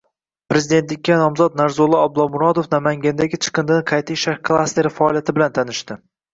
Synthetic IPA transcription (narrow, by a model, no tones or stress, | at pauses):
pɾe̞zid̪e̞nt̪lɪkʲːanɒmzɒd̪̚naɾzolˠɪab̚lˠɒmʊɾɒd̪ofnamaŋɡʲand̪aɡʲɪt͡ʃʰɨ̥qʰɨnd̪ɪnqʰɑjt̪ʰɪʃaɾkʰlˠast̪e̞ɾfaɒːlˠijat̪ʰɪbɪlant̪ʰanɪʃt̪ɪ